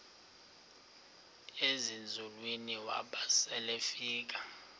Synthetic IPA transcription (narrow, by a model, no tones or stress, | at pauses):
ezind͡zʱulwiniwa̰ɓasɛlefiːk̬a